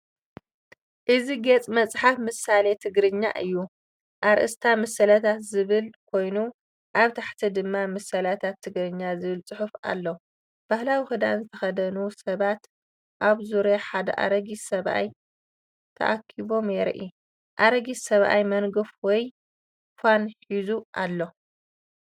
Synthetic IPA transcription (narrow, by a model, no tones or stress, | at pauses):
ʔɨziɡet͡sʼmɐt͡sʼħafmɨsalet̪ʰɨɡɾɨɲːa̰ʔɨjːu | ʔaɾʔɨ̰st̪ʰamɐsɐlɐt̪ʰat̪zɨβɨlkʰo̞jnu | ʔaβt̪ʰaħt̪ʰid̪ɨmːamɐsɐlat̪ʰat̪ʰːɨɡɾɨɲːazɨβɨlt͡sʼɨħufa̰lːo | b̥ahlawixɨd̪a̰nzɨt̪ʰɐxɐd̪ɐnusɐβat̪ | ʔaβzuɾjaħad̪ɐ̰ʔa̰ɾɐɡisɐβʔa̰j | t̪ʰɐ̰ʔakʰːiβo̞mjɛɾʔi | ʔaɾɐɡisɐβʔa̰jmɐnɡɨfwɔj | fʷanħizuʔalːo̞